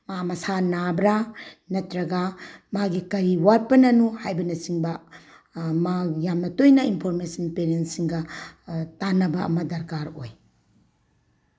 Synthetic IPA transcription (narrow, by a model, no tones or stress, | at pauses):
mamɐsanabɾanɐtɾɐɡɐmaɡikɐɾiwat̚pɐnɐnuhajbɐnɐsiŋbɐ | majamnɐtojnɐinpʰoɾmesɐnpeɾentsiŋɡɐ | tanɐbɐɐ̰mɐdɐɾkaɾoj